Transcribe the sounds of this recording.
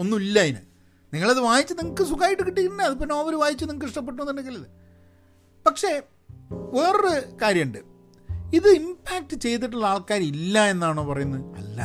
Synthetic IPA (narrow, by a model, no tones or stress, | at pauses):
o̞nːumilːɐjinɨ̰ | niŋːɐɭɐðɨʋaːjit͡ɕːɨniŋɐkːɨsukaːjiʈːɨkiʈːikːʈinːeɐðɨpːinːoːʋɐɾuʋaːjit͡ɕːuniŋːɐk̬ːɨiʂʈɐp̬ːeʈːumonːɐnːekɡilːɐðɨ | pɐkʂe̞ | ʋeːrɨkaːɾjɐɳɖɨ | iðɨimpʰaːk̚ʈɨt͡ɕe̞jt̪̬ːiʈːuɭːɐaːɭkaːɾɐmilːɐe̞nːaːɳoːpɐrɐjunːɐðɐ̰lːa̰